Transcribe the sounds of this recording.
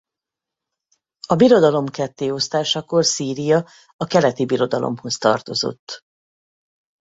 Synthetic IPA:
ɒbiɾo̞d̪ɒlo̞mkɛt̪ːeːo̞st̪aːʃɒkorsiːɾijɒ | ɒkɛlɛt̪ibiɾo̞d̪ɒlʔo̰mho̞st̪ɒ̰rt̪o̞zo̰t̪ː

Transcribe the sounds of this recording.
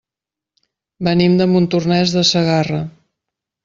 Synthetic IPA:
bənimd̪əmunt̪urnɛzðəsəɣarə

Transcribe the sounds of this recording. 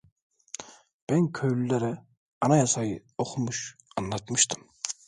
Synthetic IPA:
b̥ɛnkʲʰølylæɾɛ | ɑnɑjɑsɑjɯ | oqʰumuʃɑnlːˠɑt̪mɯʃt̪ʰɯm

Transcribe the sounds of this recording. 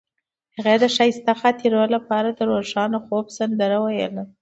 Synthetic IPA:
haɣed̪əʃajst̪axat̪ʰiɾawlapɑɾad̪əɾoʒɑnoxobsand̪əɾawajələ

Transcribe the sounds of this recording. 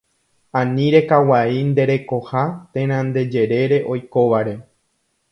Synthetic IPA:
ãnĩɾe̞kawaind̪e̞ɾe̞ko̞hat̪ẽ̞ɾ̃ãnd̪e̞d͡ʒe̞ɾe̞ɾe̞ʔo̞jko̞ʋaɾe̞

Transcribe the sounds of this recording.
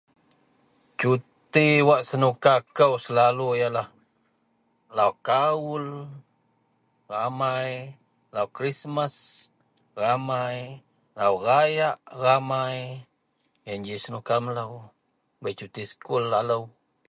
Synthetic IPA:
t͡ʃut̪iwaʔsanukakawslalujala | lawkawul | ɣamaj | lawkɾismas | ɣamaj | lawɣajaʔɣamaj | jand͡ʒisnukamlaw | bejt͡ʃut̪iskulːalaw

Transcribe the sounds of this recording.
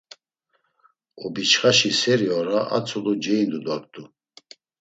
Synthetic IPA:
ɔbit͡ʃχaʃisɛɾiɔɾaʔa̰t͡sʰʼulud͡ʒɛjnd̪ud̪ɔɾt̪ʰʼu

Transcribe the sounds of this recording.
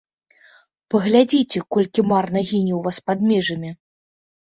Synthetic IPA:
pɐɣlʲad͡zʲit͡sʲɛkɔlʲkʲimarnɐɣʲinʲiwvaspad̪̚mʲɛʐɐmʲi

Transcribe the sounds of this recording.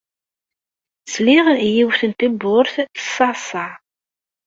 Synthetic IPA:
sliʁjiwθənt̪æbːʊɾθθə̥sɑsɑ

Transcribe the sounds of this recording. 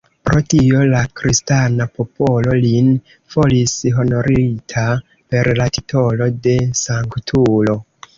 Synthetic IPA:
pɾo̞tio̞lakɾistanapo̞po̞lo̞lin | fo̞lisɦo̞no̞ɾitʰa | pe̞ɾlati̥tʰo̞lo̞de̞saŋktʰulo̞

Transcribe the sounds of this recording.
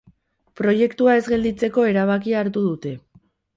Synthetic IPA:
pɾo̞je̞kt̪uae̞zɡe̞ld̪it͡se̞ko̞e̞ɾaβ̞akiaːɾt̪uð̞ut̪e̞

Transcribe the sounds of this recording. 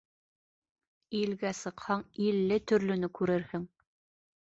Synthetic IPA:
ilɡæsɤ̆qhɑɴilːɘt̪ɵ̆ɾlɵ̆nɵkʉɾɘɾhɘŋ

